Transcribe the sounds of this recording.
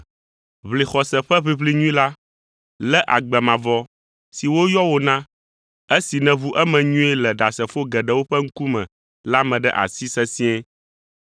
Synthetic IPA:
βli˨xɔ˨sɛ˨ɸɛ˦βi˦βli˦ɲũ˦ĩ˦la˦ | lɛ˦ʔa˨ɡ͡bɛ˨mã˨vɔ˦ | si˨wo˦jɔ˦wo˨nã˦ | e˦si˨nɛ̃˨βu˦ʔɛ˦mɛ̃˨ɲũ˦ɛ˦lɛ˨ɖa˨sɛ˨fo˦ɡɛ˨ɖɛ˦wo˦ɸɛ˦ŋ̩˦ku˦mɛ̃˨ | la˦mɛ̃˨ɖɛ̰˦ʔa̰˨si˦sɛ˦sĩ˦ɛ˦

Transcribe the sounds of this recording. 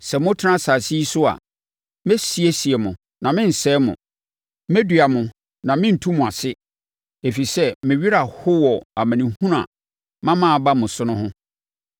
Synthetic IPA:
sɛ˨mʊ̃˦tʰɪ˦nã˦sa˨si˦i˦sʊ˦a̰˨ | mɛ˦si˨e˦si˨ɛ˨mʊ̃˨ | nã˨mɪ̃˦n̩˨sɛː˦mʊ̰̃˨ | mɛ˦dɥa˨mʊ̃˨ | nã˨mɪ̃˦n̩˨tʰũ˦mʊ̃˨a˨sɪ˦ | e˨fi˨sɛ˦mɪ̃˨ɥi˦ɾa˨hʊ˦wɔ˨a˨mæ̃˨nĩ˨hũ˦ɾã̰˨ | mã˦mãː˦˨ba˦mʊ̃˨sʊ˦nʊ̃˦hʊ̃˦

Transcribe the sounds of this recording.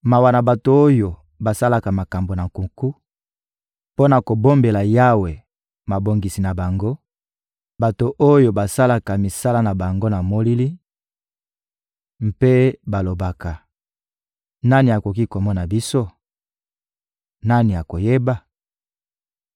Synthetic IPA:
ma˨wa˨na˨ba˨to˨o˦jo˨ | ba˨sa˦la˨ka˨ma˨ka˨mbo˨na˨ŋku˨ŋku˦ | po˦na˨ko˨bo˦mbe˨la˨ja˦we˨ | ma˨bo˨ŋɡi˨si˨na˨ba˨ŋɡo˦ | ba˨to˨ʔo˦jo˨ba˨sa˦la˨ka˨mi˨sa˦la˦na˨ba˨ŋɡo˦na˨mo˦li˦li˦ | m̩˦pe˦ba˨lo˨ba˨ka˨ | na˦ni˨a˨ko˨ki˦ko˨mɔ˦na˨bi˦so˦ | na˦ni˨ja˨ko˨je˦ba˦

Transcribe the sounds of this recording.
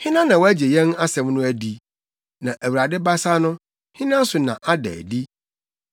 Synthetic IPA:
hɪ̃˦nã˦nã˨wɔ˦æ˦d͡ʑe˨jɛ̃˦na˦sɛ̃˨mnʊ̃˦æ˦di˦ | nã˨ʔæ˨wu˨ɾa˨dɪ˦ba˦sa˦nʊ̃˦ | hɪ̃˦nã˦n̩˦sʊ˨nã˨ʔa˦dɛ̰ː˨di˦

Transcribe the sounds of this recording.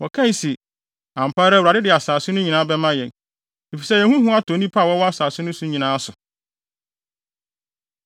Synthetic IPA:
wɔ˨kʰã˦i˨si˨ | ã˨m̩˨pʰaː˦ɾa˦wu˨ɾa˨dɪ˦dɪ˨a˨saː˨sʊ̃˦nʊ̃˦ɲĩ˨nã˦bɛ˦mã˦jɛ̃˨n | e˨fi˨sɛ˦jɛ˨hũ˦hʊ̃˦a˦tʰɔ˨˦nĩ˦pʰa˦˨wɔ˦wɔ˦a˦saː˨sʊ˦nʊ̃˦sʊ̃˦ɲĩ˨nãː˦sʊ˨

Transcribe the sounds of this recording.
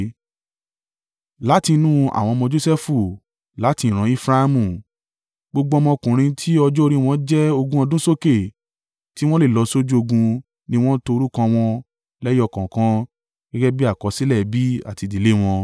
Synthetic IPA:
la˨˦ti˧nũ˦a̰˨w̃ɔ̃˧mɔ̃˧d͡ʒo˦sɛ˦fu˦˨ | la˨˦ti˧˨ɾ̃ã˨˦i˦fɾa˦a˧mũ˦˨ | ɡ͡bo˧ɡ͡bo˧ɔ˧mɔ̃˧kũ˨ɾ̃ĩ˧tʰi˦ɔ˧d͡ʒɔ˦o˧ɾi˦˧w̃ɔ̃˧˦d͡ʒɛ˦o˧ɡũ˦ɔ̃˧dũ˦so˦ke˦˨ | ti˦w̃ɔ̃˦le˦˨lɔ˨˧so˦d͡ʒu˦o˧ɡũ˧ | nĩ˧w̃ɔ̃˦to˧o˧ɾu˦kã˧w̃ɔ̃˧ | lɛ˦jɔ˦˧˨kã˨kã˦ | ɡ̥ɛ˦ɡɛ˦bi˦a˦˨kɔ˨˧˦si˦lɛ˦˨bi˦a̰˦˨ti˧di˨le˦w̃ɔ̃˧

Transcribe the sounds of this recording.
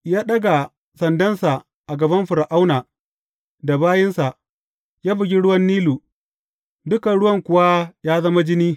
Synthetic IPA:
jaː˦ɗɐ˦ɡa˨ | sɐ˨ndɐ˦nsa˨ | ʔa˨ɡɐ˨bɐ˦mɸʊ˨ɾa˨ʔa˦wnaː˨ | da˨baː˦jɪ˦nsa˨ʔ | jaː˦bɪ˨ɡʲi˦ɽʊ˦wɐ˦nːiː˦luː˨ | dʊ˦ka˨ɽʊ˦wɐ˦˨ŋkʷʊ˨wa˦jaː˦zɐ˦ma˦d͡ʒɪ˦niː˦

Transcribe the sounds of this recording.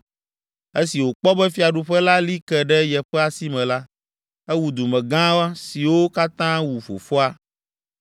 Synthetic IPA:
e˦si˨wo˨k͡pɔ˦bɛ˦fi˦a˨ɖu˨ɸɛ˦la˦li˦kɛ˨ɖɛ˦jɛ˨ɸɛ˦a˨si˦mɛ̃˨la˦ | ɛ˦wu˨d̪u˨mɛ̃˨ɡã˦wa˦si˨wo˦ka˦t̪ã˦wu˨fo̰˨fɔ˦a˦

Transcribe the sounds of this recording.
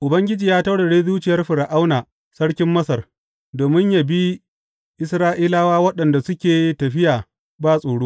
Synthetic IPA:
ʔʊ˨bɐ˦ŋɡʲɪ˦d͡ʒiː˨jaː˦ta˦ɽe˨ɽeː˦ðuː˦t͡ʃɪ˨jɐ˦rɸɪ˨ɽa˨ʔa˦wnaː˨ | sɐ˦ɽkʲɪ˦mːɐ˦sɐ˨r | doː˨mɪ˦ɲja˨bi˦ | ʔɪ˦sɾaː˦ʔiː˦laː˦waː˦wɐ˦ɗɐ˨nda˨sʊ˦kʲeː˨tɐ˨ɸɪ˦jaː˨ | baː˦sʼoː˨ɽuː˦

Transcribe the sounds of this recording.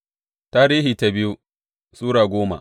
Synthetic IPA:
taː˦ɾiː˦ɦiː˨ta˦bɪ˦ju˦ | suː˦ɽaː˨ɡʷoː˦ma̰˨

